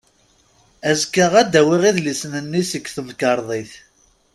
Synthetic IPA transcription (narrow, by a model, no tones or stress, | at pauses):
æzkːəʁæd̪æwiʁiðlisnənːisəkːθəmkɑɾˤðˤiθ